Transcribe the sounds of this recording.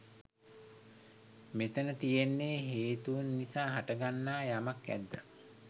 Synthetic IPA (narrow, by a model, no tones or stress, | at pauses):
met̪ənət̪ijenːeːɦeːt̪uunːisaːɦaʈəɡanːaːjamakæ̰d̪ːa